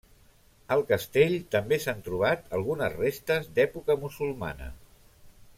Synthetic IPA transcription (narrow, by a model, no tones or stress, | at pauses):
əlˠkəst̪eʎt̪əmbesant̪ɾuβ̞at̪əlˠɣ̞unəzrest̪əzd̪ɛpukəmusulˠma̰nə̰